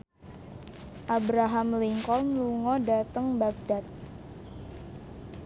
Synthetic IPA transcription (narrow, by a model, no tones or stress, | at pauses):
ʔabɾaɦamliŋkɔlmluŋɔdat̪əŋbaɡ̚dat̪̚